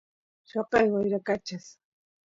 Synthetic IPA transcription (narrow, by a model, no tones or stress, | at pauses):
ʃoqɑjwajɾakat͡ʃas